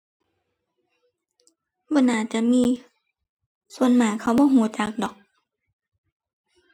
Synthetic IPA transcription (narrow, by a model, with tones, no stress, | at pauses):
bɔː˧˦naː˧˩t͡ɕa˧˨ʔmiː˧˨ | su˧˦ənmaː˨˩˦kʰa˧˩wbɔː˧˦ɦuː˨˧˦t͡ɕa˨˧˦k̚dɔː˨˦k̚